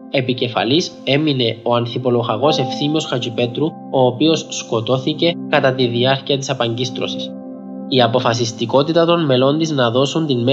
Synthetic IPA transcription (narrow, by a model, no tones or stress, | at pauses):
e̞pice̞fɐ̰lise̞mine̞o̞ɐnθipo̞lo̞ɣɐɣo̞se̞fθimio̞sxɐt͡ʃipe̞t̪ɾu | o̞ːpio̞ssko̞t̪o̞θice̞kɐt̪ɐt̪iðiɐɾciɐt̪isɐpɐɲɟist̪ɾo̰si̥s | iɐpo̞fɐs̬ist̪iko̞t̪it̪ɐt̪o̞nme̞lo̞nd̪iznɐðo̞sunt̪inme